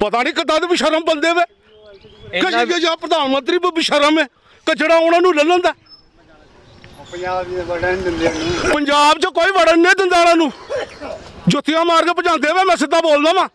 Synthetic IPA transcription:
pət̪aːnĩːkət̪ãːd̪eːbɪʃəɾəmbənd̪eːʋeː | kəɡed͡ʒãːpɾəd̪aːnmə̃nt̪ɾiːbbɪʃəɾəmɛː | kəd͡ʒeːɽaːʊnaːnũːləlːə̃ːnd̪aː | əd͡ʒːbəɽd̪ɪnd̪anːpəɲd͡ʒaːbt͡ʃəkoːiːʋəɽənẽːd̪ɪnd̪aːnãːnũː | d͡ʒot̪ːɪjãːmaːɾɡepət͡ʃãːnd̪eːʋɛːmɛ̃ːsɪd̪aːboːld̪aːmãː

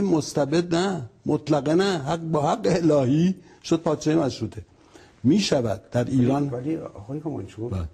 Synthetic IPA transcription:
emost̪æbe̞d̪̚næmot̪ʰlæɣenæhbɒːhæɡːeelɒːhiː | ʃod̪̥̚pʰɒːd̪t͡ʃejemæʃɾuːt̪ʰe | miːʃævæd̪̚ːæɾiːɾɒːnliɒɒːjhomɑ̰nt͡ʃʰubæː

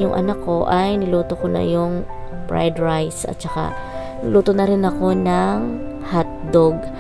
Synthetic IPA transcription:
jʊŋʔɐ̰nakːo̞ʔajnɪluːt̪okonɐ̰jʊŋ | pɹa̰jd̪ɹajsʔɐ̰t̪̚t͡ʃɐka̰ | nɪluːt̪onɐɾɪnɐko̞nɐŋ | hat̪̚d̪oɡ̚

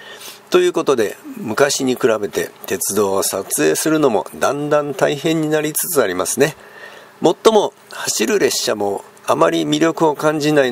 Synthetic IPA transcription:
t̪o̞jɯ̟ːko̞t̪o̞d̪e̞̰mɯ̟kaɕiɲ̟ikɯ̟ɾabe̞t̪e̞̰t̪e̞t͡sɨd̪o̞ːsat͡sɨe̞ːsɨɾɯ̟no̞mo̞̰d̪ãnd̪ãnt̪aiɦẽ̞ɲ̟ːinaɾʲit͡sɨ̥t͡sɨaɾʲimasɨne̞ | mo̞t̪ːo̞mo̞ | haɕiɾɯ̟ɾe̞ɕːamo̞ | amaɾʲimʲiɾʲo̞kɯ̟o̞kãɲ̟d͡ʑinai

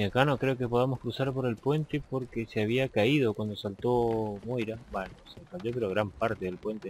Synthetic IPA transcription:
akano̞kɾe̞o̞ke̞poðamo̞skɾusaɾpo̞ɾe̞lpwe̞nt̪e̞po̞ɾkeseaβiakaið̞o̞kwand̪o̞salt̪o̞mojɾabenosekaʎop̬eɾoɣɾampaɾt̪eðelpwe̞nt̪e

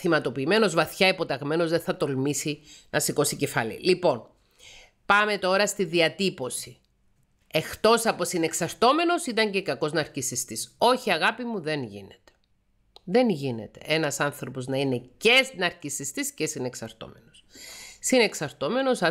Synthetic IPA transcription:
θimɐt̪o̞piːme̞no̞zvɐθçɐipo̞t̪ɐɣme̞no̞zðeθɐt̪o̞lmisinʔɐsiko̞sice̞fɐlḭlipo̞n | pɐme̞t̪o̞ɾɐst̪iðiɐt̪ipo̞si | e̞xt̪o̞sɐpo̞sine̞ksɐɾt̪o̞me̞no̞sit̪ɐɲce̞kɐko̞znɐːɾcisist̪iso̞çiɐɣɐpimuðe̞nʝḭne̞t̪e̥ | ðe̞nʝine̞̰t̪e̞̰enɐsɐnθɾo̞po̞znɐine̞ce̞snɐɾcisist̪isce̞sine̞ksɐɾt̪o̞̰me̞no̞ssine̞ksɐɾt̪o̞me̞no̞sɐ

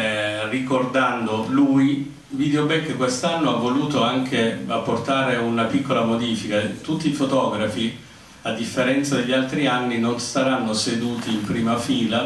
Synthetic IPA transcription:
rikord̪and̪oluj | vid̪eobɛkːekːwest̪anːoavːoluːt̪oaŋkʰea̰pːort̪aːɾeunapikːolamod̪iːfikat̪ut̪ːiːfot̪ɔːɡɾafi | ad̪ːifːeɾɛnt̪sad̪eʎːalt̪ɾianːinonsaɾanːosed̪uːt̪iːmpɾiːmafiːla

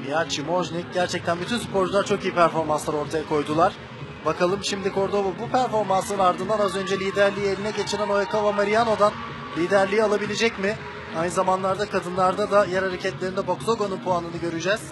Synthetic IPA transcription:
jat͡ʃʰimo̞ʒnʲic̚ɟæɾt͡ʃʰɛc̚t̪ʰænbyt̪ʰynsy̥pʰo̞ɾd͡ʒulˠaɾt͡ʃʰo̞kijipʰæɾfo̞ɾmanslˠaɾo̞ɾt̪ʰajakʰo̞jd̪ulˠaɾ̥ | bakalˠɯmʃimd̪ikʰo̞ɾd̪o̞vubupʰæɾfo̞ɾmansɯnɯnaɾd̪ɯnd̪anazø̞nd͡ʒɛlʲiːd̪æɾlʲiːelʲinɛɟe̞t͡ʃʰiɾæno̞jakʰavamaɾijano̞d̪an | lʲiːd̪æɾlʲiːalˠabilʲed͡ʒɛcmɪ | ajnɯzamanlˠaɾd̪akʰad̪ɯnlˠaɾd̪ad̪ajæɾhaɾecʰɛt̪lʲe̞ɾind̪ɛbo̞ksˠoɡonunpʰuanɯnɯɟø̞ɾyd͡ʒɛz̥

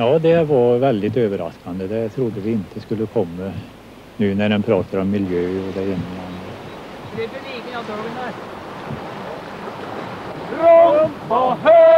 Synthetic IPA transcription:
jɑːd̪ɛʋɑɾʋɛld̪ɪt̪øːʋəɾɑ̰skɑnd̪əd̪ɛt̪ʰɾʊd̪ːəʋɪɪnt̪ʰəskʉlːəkʰɔmːə | nʉːnæɾɛnpʰɾɑːt̪ʰəɾɔmːɪljøːɔd̪ɛɪnːɑnəid̪liːɡənɑnæ

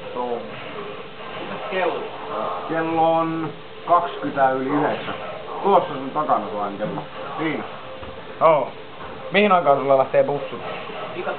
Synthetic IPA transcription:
tom | itækelːo | ɑkelːon | kɑkskyt̪æːˑyliyhesːæ | t̪ulosːɑsent̪ɑkɑnɑsuɑŋkelːo̰ | siːnæ | no | mihinɑiŋkɑˑːnsulːɑlɑht̪eːpusːut̪ːɑ | ikɑ

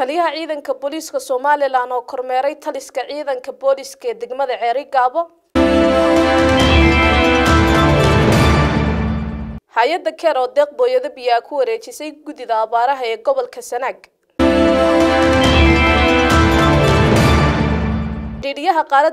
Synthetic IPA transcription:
t̪ʰɐlɪjɐɦɐʕiːðɐŋkʰɐbɔliːskʰɐsɔmaːlɪlaːnɔːkʰɔrmɛːɾɛjt̪ʰɐlɪskʰɐʕiːðɐŋkʰɐbɔːlɪskʰɛːd̪ɛɡmɐðɐʕɛːɾɪɡaːβɔ | haːjɐd̪ɐkʰɛɾɔːd̪ɛːq̚bɔːjɐðɐbɪjaːkʰʊwɐɾɛːt͡ʃɪsɛjɡʊðɪðɐːβaːɾɐɦɐɛːɡɔβɔlkʰɐsɐnaːɡ | ɖiːɽɪjɐɦɐqɑːɾɐ

